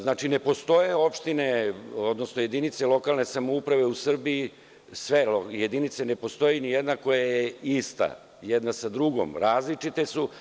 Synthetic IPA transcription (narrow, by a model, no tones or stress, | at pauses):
znaːt͡ʃine̞po̞st̪o̞jeo̞pʃt̪ine̞o̞d̪no̞snoje̞d̪init̪se̞lo̞kalˠne̞samoupɾaʋe̞usr̩biː | sʋe̞lojed̪init̪sene̞po̞st̪o̞jinijed̪nako̞jajeist̪a̰ | jed̪nasad̪ɾuɡo̰mɾaːzlit͡ʂit̪e̞su